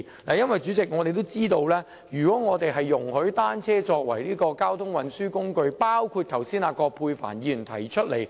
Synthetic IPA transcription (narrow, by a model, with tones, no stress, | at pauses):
laː˨jɐ˥nwɐ˨jt͡ʃyː˨˥t͡sɪ˨k̚ŋɔ˨˧t̪e˨jt̪o˥wt͡siː˥t̪o˧wlɛː˥ | jyː˨˩kʷɔː˨˥ŋɔː˨˧t̪e˨jɦɐ˨jːʊ˨˩ŋhɵ˨˥ɥt̪aː˥nt͡sʰɛː˥t͡ʃɔː˧k̚wɐ̰˨˩jliː˥kɔː˧kaː˥wt̪ʰʊ˥ŋwɐ˨nsyː˥kʊ˥ŋkɵ˧ɥpaː˥wkʰuː˧t̚t̪ʰɐ˨˩wsiː˥naː˧kɔː˧k̚pʰuː˧jfa̰ː˨˩njiː˨˧˨nt̪ʰɐ˨˩jt͡ʃʰɵ˥t̚le˨˩j